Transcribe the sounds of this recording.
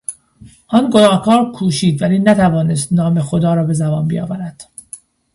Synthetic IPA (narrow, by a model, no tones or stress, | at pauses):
ʔɒːnɡonɒːhkʰɒːɾkʰuːʃiːd̪væliːnæt̪ʰævɒːnest̪nɒːme̞xod̪ɒːɾɒːbe̞zæbɒːnbḭjɒ̰ːvæɾæd̪̥